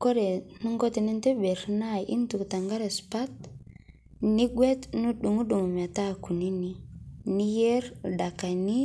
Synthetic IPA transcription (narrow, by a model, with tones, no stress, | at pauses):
ko˦ɾe˨nu˦ŋɡo˦ti˨ni˦nte˦be˨ɾna˦˨ʔḭ˦ntu˨kta˨ŋɡa˦ɾe˨spa˦t̚ | ni˦ɡwe˦t̪nu˦ɗu˨ŋu˦ɗu˨m˨m˨a˨ta˦˨ku˨ni˦ni˦ni˦je˦ɾda˨ka˨ni˦